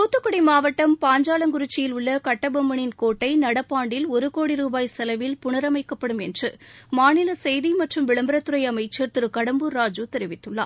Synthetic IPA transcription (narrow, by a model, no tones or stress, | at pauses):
t̪uːt̪ːɯkːʊɽimaːʋɐʈːɐmpaːɲd͡ʒaːlɐŋɡʊɾɪt͡ʃːɪjɪlʊɭːɐkɐʈːɐbɐmːɐɳɪnkoːʈːɐɪnɐɽɐpːaːɳɖɪlɔɾɯkoːɽiɾuːbaːjsɐlɐʋɪlpʊɳɐɾɐmɐɪkːɐpːɐɽɯmɛndrɯmaːnɪlɐsɛjðimɐʈrɯmʋɪɭɐmbɪɾɐt̪ːɯɾɐɪɐmɐɪt͡ʃeːɾt̪ɯɾɯkɐɽɐmbɯɾaːd͡ʒut̪ɛɾɪʋɪt̪ːɯɭːa̰ː